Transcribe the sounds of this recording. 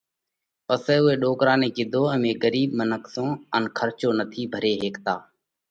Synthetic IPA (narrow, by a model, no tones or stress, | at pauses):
pəseːʊɦeːɗoːkɾãːnẽːkɪd̪ʱoːə̃mẽːɡəɾiːɓmənəksõːənkʰəɾt͡ʃoːnət̪ʰiːbʱəɾeːɦeːkt̪aː